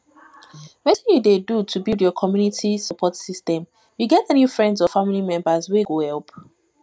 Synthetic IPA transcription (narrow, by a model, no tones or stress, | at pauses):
wɛtĩjudedutʰubilˠdjɔkʰɔmjunitʰisəpʰɔtsistɛ̃m | juɡɛtənjufɹɛ̃ndzɔfamilimɛ̃mbazweɡohɛlˠp